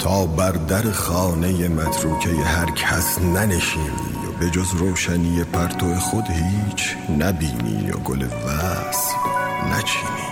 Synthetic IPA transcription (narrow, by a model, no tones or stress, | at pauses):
t̪ʰɒːbæɾd̪æɾexɑːne̞jemæt̪ʰɾuːcʰejehæɾcʰæsnæne̞ʃiːnḭːjo̰be̞d͡ʒozɾoːʃænije̞pʰæɾt̪ʰoexod̪hiːt͡ʃʰ | næbḭːnḭːjo̰ɡo̰lḛvæ | snæ̰t͡ʃʰiːni